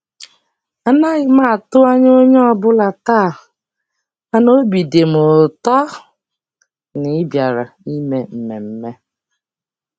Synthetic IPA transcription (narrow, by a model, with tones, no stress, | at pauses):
a˨na˦ɣɪ˨ma˦˨tʊ˦a˦ɲ˦o˦ɲɔ˦˨bʊ˦la˨ta˦˨ | a˦no˦bi˨de˨mʊ˨tɔ˦ | nɪ˦bja˨ɾa̰˨i˦me˨m̩˨me˨m̩˦me˦